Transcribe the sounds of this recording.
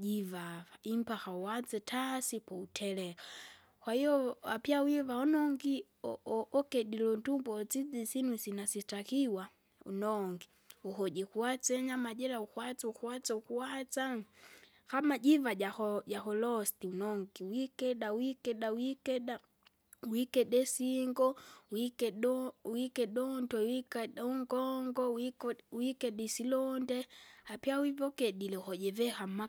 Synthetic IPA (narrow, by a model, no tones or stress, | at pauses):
d͡ʒivavaim̩paxauwat͡sɛtʰasipɔutʰɛlɛka | kwahijɔa̰pjawivaɔnɔŋɡi | ɔʔɔkɛɗilɔndumbɔt͡sid͡zisinwisinasitakiwa | ṵnɔŋɡi | uɦɔʄɛkuat͡sɛɲamaʄɛlaukwat͡saukuat͡saukuat͡sa | kamad͡ʒivaaɔjaxɔlɔstiunɔŋɡiwikɛɗawikɛɗawikɛɗa | wikɛɗɛsiŋɡɔwikɛɗwikɛɗɔntwɛwikɗuŋɡɔŋɡɔwwikɛɗɛsilɔndɛapiawivɔkɛɗilɛuhɔɟɛvɛxama